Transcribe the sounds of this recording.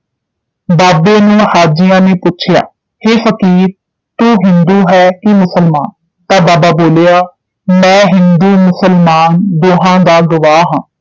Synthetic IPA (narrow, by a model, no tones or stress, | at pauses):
baːbeːnũːhaːd͡ʒɪjãːneːpʊːt͡ʃʰɪja̰ː | heːfəkiːɾ | t̪uːɦɪnd̪uːɦɛːkɪmʊsəlmaːn | t̪ãːbaːbaːboːleːaː | mɛ̃ːɦɪnd̪uːmʊsəlmaːnd̪oːɦãːd̪aːɡʊʋaːɦãː